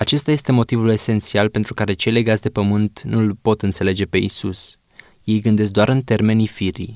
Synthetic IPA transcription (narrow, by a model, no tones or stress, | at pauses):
at͡ʃe̞st̪aje̞st̪e̞mo̞t̪ivule̞se̞nt̪sialpe̞nt̪ɾukaɾe̞t͡ʃe̞jle̞jɡat̪sʲd̪e̞pəmɨnt̪nulpo̞t̪ɨnt̪se̞le̞d͡ʒe̞pe̞isus | je̞jɡɨnd̪e̞s̬k̚d̪oa̰ɾɨnt̪e̞rme̞nifiɾḭ